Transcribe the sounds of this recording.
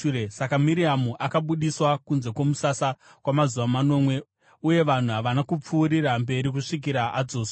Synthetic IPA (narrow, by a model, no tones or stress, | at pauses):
esakamiɾiamuʔakaɓuɗiswakunze̞ko̞musasa | kwamazuʋamano̞mwe̞ | uje̞ʋan̤uɦaʋanakup͡fuːɾirambe̞ɾik̬uʂik̬iɾaʔad͡zoːsa